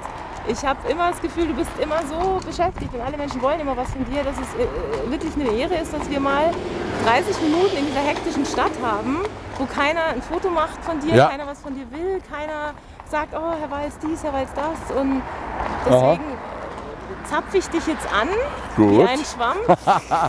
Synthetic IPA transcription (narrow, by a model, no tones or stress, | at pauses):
ʔɪçhaːbəʔɪmɐdasɡ̥əfyːlduːbɪstʔɪmɐzoːbəʃɛftɪçtd̥ɛnʔaləmɛnʃn̩vɔlənʔɪmɐvasfɔndiːɐɾas̬ɛsvɪɐklɪçnəeːʁəɪstd̥asv̥iːɐmaːld̥ʁaɪsɪçminuːtn̩ɪndiːzɐɦɛktɪʃn̩ʃtathaːbm̩voːkʰaɪnɐnfoːtomaχtfɔndiːɐkaɪnɐvasfɔndiːɐvɪlkʰaɪnɐ | z̥aːk̚tʔoːhɛɐvaɪlsd̥iːshɛɐvaɪlsd̥asʔʊntd̥ɛseːɡŋ̩ | t͡sap͡fəɪçd̥ɪçjɛt͡stʔan | ɡ̥uːaɪnənʃv̥am